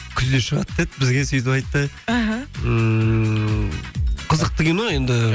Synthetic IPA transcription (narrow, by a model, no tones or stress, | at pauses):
kʲʰʏzd̪eʃəʁɑt̪ːet̪bɪzɡʲesɵjt̪ɪpɑjt̪ːə | ɦə | qʰəzəq̚t̪ɪɡʲenoend̪ɪ